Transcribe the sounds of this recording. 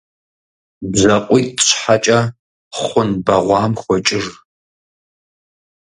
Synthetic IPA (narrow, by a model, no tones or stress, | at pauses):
bzɐqʷʼʊtʼɕħat͡ʃʼɐ | χʷʊnbɐʁʷɑːmxʷɔt͡ʃʼɪr